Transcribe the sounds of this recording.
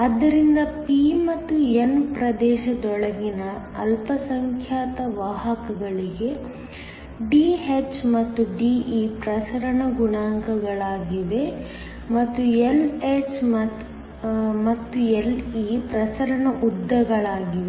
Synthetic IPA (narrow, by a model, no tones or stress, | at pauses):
ɐd̪ːɐɾind̪ɐpimɐt̪ːuenpɾɐd̪ɛːʃɐd̪ɔɭɐɡinɐɐ̰lpɐsɐŋkʰjaːt̪ɐʋaɦɐkɐɡɐɭiɡe̞ | ɖiːɦet͡ʃmɐt̪ːuɖiːipɾɐsɐɾɐɳɐɡuɳaːŋkɐɡɐɭaːɡiʋe̞ | mɐt̪ːuelet͡ʃmɐ | mɐt̪ːueliːpɾɐsɐɾɐɳɐʔud̪ːɐɡɐɭaːɡiʋe